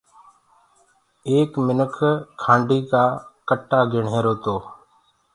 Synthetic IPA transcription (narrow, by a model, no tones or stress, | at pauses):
eːkmɪnəkʰkʰːãːɳɖiːkaːkəʈːaːɡʱɪɳɦeːɾoːt̪oː